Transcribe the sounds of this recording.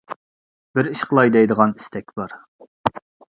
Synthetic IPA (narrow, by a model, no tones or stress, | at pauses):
b̥ɪɾiʃqʰəlˠɑjd̪ɛjd̪əʁɑni̥st̪ʰɛkʲb̥ɑɾ